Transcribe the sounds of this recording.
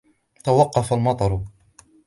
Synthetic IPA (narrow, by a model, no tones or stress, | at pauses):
t̪awɑqːɑfalmɑt̪ˤɑɾˤʊ